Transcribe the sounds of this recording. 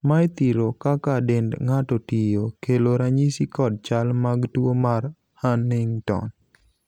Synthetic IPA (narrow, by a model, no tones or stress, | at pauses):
majt̪iɾokakadendŋatɔtijokeloɾaɲisikɔd̚t͡ʃalmaɡtwomar | hanːɪŋtɔ̰n